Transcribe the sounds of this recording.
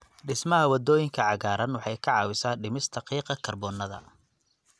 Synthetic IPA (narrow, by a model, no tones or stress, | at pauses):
ɖɪsmɐɦɐwɐd̪ɔːjɪŋkʰɐʕɑɣaːɾɐnwɑħɑjkʰɑʕɑːwɪsaːɖɪmɪst̪ʰɐqiːqɐkʰɐrbɔːnːɐðɐ̰